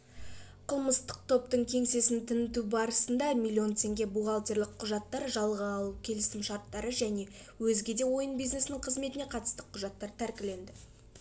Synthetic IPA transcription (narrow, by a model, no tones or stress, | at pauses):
qʰəlˠməst̪əq̚t̪ʰo̞p̚t̪əɴkʲʰe̞ŋse̞sɪnt̪ʰɪnɪt̪ubɑɾəsənd̪ɑmilʲːio̞nt̪ʲʰe̞ŋɡʲe̞buʁɑlˠt̪eɾlɪkqʰːʊʒɑt̪ːɑɾʒɑlˠʁəːlˠukʲʰe̞lɪsɪmʃɑɾt̪ːɑɾəʒæne̞ | wɵzɡʲe̞d̪e̞wo̞jənbijzne̞sɪnɪɴqʰəzme̞t̪ɪne̞qʰɑt̪ə̥st̪əqʰʊʒɑt̪ːɑɾt̪ʰæɾkʲɪle̞nd̪ɪ